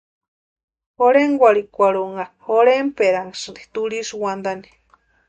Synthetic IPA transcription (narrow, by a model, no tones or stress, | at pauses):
hoɾeŋɡʷaɾikʷaɾuŋɡahoɾempeɾaŋɡsɨnd̪i̥t̪uɾisuwand̪ani̥